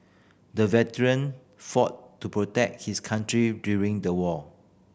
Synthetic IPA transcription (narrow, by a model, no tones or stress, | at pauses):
dəvɛtəɹə̃n | fɔtːupɹotɛk̚t̚hiskʰãntɹidjuɹĩŋdəwɔ